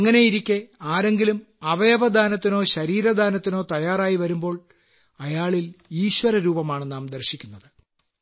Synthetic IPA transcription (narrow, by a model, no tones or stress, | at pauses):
ɐŋːɐne̞jiɾikʲːeaːɾe̞ŋɡilum | ɐʋɐjɐʋɐd̪ʱaːnɐt̪ːino̞ːɕɐɾiːɾɐd̪ʱaːnɐt̪ːino̞ːt̪ɐjaːraːjiʋɐɾumbo̞ːɭ | ɐjaːɭiliːɕʋɐɾɐɾuːbɐmaːɳɨnaːmd̪ɐrɕikʲːunːɐðɨ